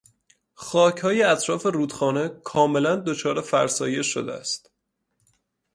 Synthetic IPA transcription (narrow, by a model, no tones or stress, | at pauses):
xɒːcʰhɒːjeæt̪ʰɾɒːfe̞ruːd̪xɒːne̞kʰɒːme̞lænd̪o̞t͡ʃʰɒːɾefæ̰ɾsɒːje̞ʃo̞̰d̪ḛæ̰st̪